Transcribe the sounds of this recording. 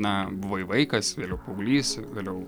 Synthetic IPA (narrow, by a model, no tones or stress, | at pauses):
nɐbʊʋɐɪʋɐɪkɐsʋʲeːlʲɛʊpɐʊɡlʲiːsʋʲeːlʲɛʊ